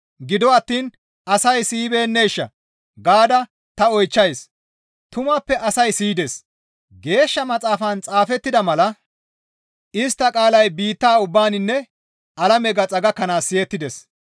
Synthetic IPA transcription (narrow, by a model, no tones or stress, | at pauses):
ɡɪd̪ɔɐt̪ːiːn | ɐsɐjsiːbeːnːejʃːɐ̰ | ɡaːd̪ɐ | t̪ɐɔjt͡ʃːɐjs | t̪ʊmapːɛʔɐsɐjsiːd̪ɛs | ɡe̞ːʃːɐmɐt͡sʼaːfɐnt͡sʼaːfɛt̪ːɪd̪ɐmɐlɐ | ɪst̪ːɐkʼaːlɐjbiːt̪ːaːʊbːaːnɪnːɛ | ɐlɐmɛɡɐt͡sʼɐɡɐkːɐnaːsːɪjɛt̪ːɪd̪ɛs